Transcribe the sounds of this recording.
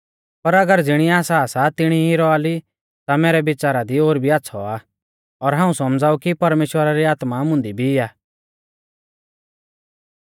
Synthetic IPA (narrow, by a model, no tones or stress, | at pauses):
pɐɾɐɡəɾd͡zɪɽ̃iaːsaːsat̪ɪɽ̃iɦiɾɔaːli | t̪amɛːɾɛbɪt͡saːɾad̪ioːɾbʱiaːtːsʰɔa | ɔɾɦãːũsɔmd͡zaːukipɐɾmeːʃwəɾaɾiaːt̪mamʊ̃nd̪ibʱiɪaː